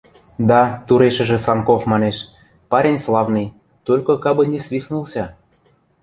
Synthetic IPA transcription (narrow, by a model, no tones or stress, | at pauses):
d̪ɑt̪uɾeʃə̆ʒĕsɑnkofmɑneʃ | pɑɾʲenʲslˠɑvnɤj | t̪olʲkokɑbɤ̆nʲesvʲixnulˠsʲɑ